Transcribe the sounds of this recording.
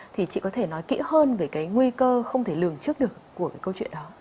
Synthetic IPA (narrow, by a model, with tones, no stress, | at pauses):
t̪ʰi˨˩t͡ɕḭ˧˨kɔ˨˦t̪ʰe˧˩nɔ˨˦jkḭ˧˥ɦəː˧nve˨˧˩kaː˨˦jŋwi˧kəː˧xə˧wŋ͡mt̪ʰe˧˩lɨ˨˩əŋt͡ɕɨ˦˥ək̚ɗɨ˨˩əkːu˧˩əkaː˨˦jkə˧wt͡ɕwḭ˧˨ənɗɔ˨˦